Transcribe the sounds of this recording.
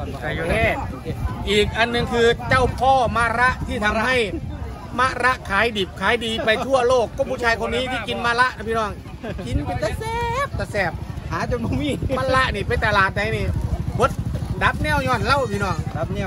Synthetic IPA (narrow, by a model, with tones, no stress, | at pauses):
a˧˩u˧nɛː˧˩ʔiː˨˩k̚ʔa˧nːɯ˨˩ŋkʰɯː˧t͡ɕa˧˩wpʰɔː˧˩maː˧˨ɾa˦˥ʔt̪ʰiː˧˩t̪ʰa˧˦mha˧˥˩j | ma˧˥ʔɾa˦˥ʔkʰaː˨˦jdiː˨˩p̚kʰaː˨˦jdiː˨˧pa˧j̪ʰu˧˩ɐloː˥˩kːɔː˧˩pʰu˧˩t͡ɕʰaː˧jkʰo˧nːiː˦˥˨t̪ʰiː˧˩ki˨˧nmaː˧˥˨la˦˥ʔna˧pʰiː˧nɔː˧˩ŋ | ki˨˦n˧pa˧t̪ɛ˧sɛ˧p̚t̪ɛ˧˩sɛː˧˩p̚haː˨˦t͡ɕo˧˦nbɔ˧˩ŋmiː˧˨maː˧˥˨la˦˧˥ʔniː˧˩pa˧nt̪a˧laː˨˩t̪̚da˧jniː˧˩bo˨˧˦t̪̚da˨˦p̚nɛː˧˩˨wɲɔː˧˩˨nla˧˥˨wpʰiː˧nɔː˧˩ŋ˧